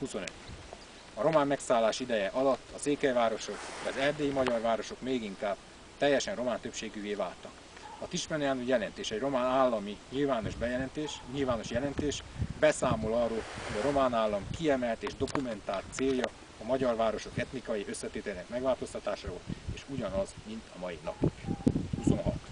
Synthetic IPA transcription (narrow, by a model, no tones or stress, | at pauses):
huso̞nø̰t̪ | ɒɾo̞maːmːɛksaːlːaːʃid̪ɛjɛʔɒlɒt̪ːɒseːkɛjvaːɾo̞ʃo̞kd̪ɒzɛrd̪eːjimɒɟɒrʋaːɾo̞ʃo̞kmeːɡiŋkaːb̥̚ | t̪ɛjːɛʃɛnro̞maːnt̪øpʃeːɡyːveːvaːlt̪ɒk | ɒt̪iʃmɛnɛaːnujɛlɛnt̪eːʃɛɟro̞maːnaːlːɒmiɲilvaːno̞ʒbɛjɛɛnt̪eːʃɲilvaːno̞ʃjɛlɛnt̪eːʃbɛsaːmo̞lɒroːlho̞ɟɒɾo̞maːnaːlːɒmkiɛmɛlt̪eːʒd̪o̞kumɛnt̪aːlt̪seːjːɒː | mɒɟɒrʋaːɾo̞ʃo̞kɛt̪nikɒjiø̞sːɛt̪eːt̪ɛlinɛkmɛɡvaːlt̪o̞st̪ɒt̪aːʃaːvoleːʃuɟɒnɒzmint̪ʰɒmɒjinɒ̰pikuso̰nɦɒ̰t̪